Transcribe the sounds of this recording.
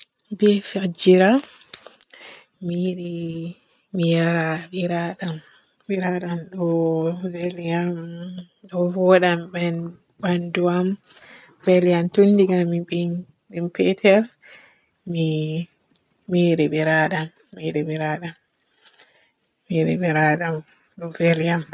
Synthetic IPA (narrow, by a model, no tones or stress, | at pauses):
bɛfad͡ʒiɾa | miɾi | mijaɾabiɾaɗam | biɾaɗamɗɔveliam | ɗɔvɔɗambɛn | banduam | vɛljantundiɡamːibin | bimpɛtʰɛɾ | mi | miɾɛɓɛɾaɗamːiɾɛɓɛɾaɗam | miɾɛbɛɾaɗam | ɗɔveljam